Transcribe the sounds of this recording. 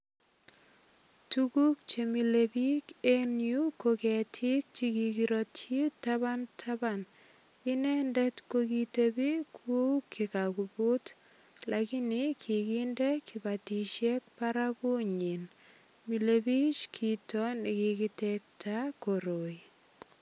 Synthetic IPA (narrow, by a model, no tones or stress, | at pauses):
tukuk̚t͡ʃemilebikenjukokɛtʰɪk̚t͡ʃikikiɾotitaβantʰaban | ɪnɛndɛtkokitebikʰokʰːikakubut | lakɪnɪkʰikindekʰɪbatiʃjɛk̚paɾabuɲin | milebit͡ʃkʰitɔnɪkikɪtɛk̚tʰakoɾoj